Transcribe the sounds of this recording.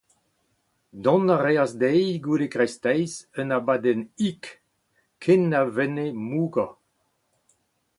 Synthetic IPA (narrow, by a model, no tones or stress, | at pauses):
d̪ɔ̃naʁeasd̪ɛjɡulekʁɛst̪ɛjzənabadɛnik | kʰːenːavɛnemuːɡa